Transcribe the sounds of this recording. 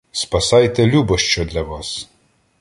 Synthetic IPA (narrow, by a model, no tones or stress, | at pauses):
spasajt̪ɛlʲubɔʃt͡ʃɔd̪lʲaʋas